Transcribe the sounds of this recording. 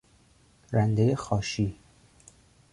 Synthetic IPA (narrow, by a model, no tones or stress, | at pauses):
ɾænd̪ejexɒːʃi